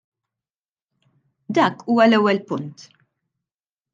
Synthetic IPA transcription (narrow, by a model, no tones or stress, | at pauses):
d̪ɐːkuːwɐlɛwːɛlpʊnt̪